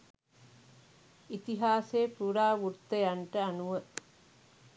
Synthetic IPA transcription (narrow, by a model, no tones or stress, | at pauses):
it̪iɦaːseːpuɾaːʋurt̪ːəjaɳʈəanuʋə